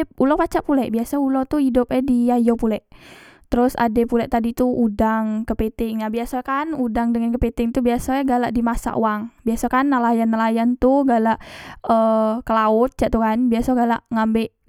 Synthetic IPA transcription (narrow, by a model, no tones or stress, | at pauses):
ulɔpat͡ʃaʔpulɛʔbiasaulɔt̪uhidʊp̚ɛdiajopulɛʔt̪əɾʊsa̰dɛpulɛʔt̪adit̪uudaŋkəpet̪ɪŋnabiasakanudaŋdəŋankəpet̪ɪŋt̪ubiasaɡalaʔdimasa̰ʔo̰waŋbiasakanːəlajanːəlajant̪ʊhɡalaʔəkəlaʊt̪̚t͡ʃaʔt̪ukanbiasaɡalaʔŋambɛʔ